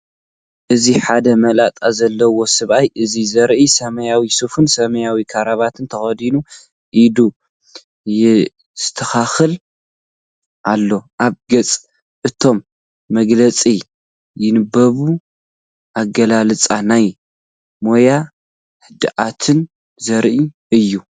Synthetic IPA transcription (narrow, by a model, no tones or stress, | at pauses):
ʔɨziħad̪ɐmɐlat̪ʼazɐlːɐwo̞sɨβʔajʔɨzizɐɾʔisɐmɐjawisufɨnsɐmɐjawikʰaɾaβat̪ʰɨnt̪ʰɐxɐd̪inu | ʔid̪u | j | z̥ɨt̪ʰɐxaxɨl | ʔalːo̞ʔaβɡɐt͡sʼ | ʔɨt̪ʰo̞mː | ɐɡlɐt͡sʼi | jɪnɨbɐβu | ʔaɡɐlalɨt͡sʼanaj | mo̞ja | hɨd̪ɨʔat̪ʰɨn | zɐɾʔi | ɨjːu